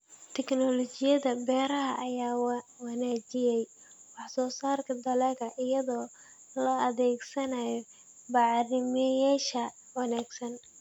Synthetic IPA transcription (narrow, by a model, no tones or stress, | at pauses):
t̪ʰɛknɔlɔt͡ʃɪjɐðɐbɛːɾɐɦɐʔːjaːwwɑnaːt͡ʃɪjɛj | wɑħsɔːsaːrkʰɐd̪ɐlɛɣɐʔɪjɐðɔː | lɐɐðɛːɡsɐnɐjɔ | bɑʕɾɪmɐjaːʃɐ | wɑnaːɡsɐn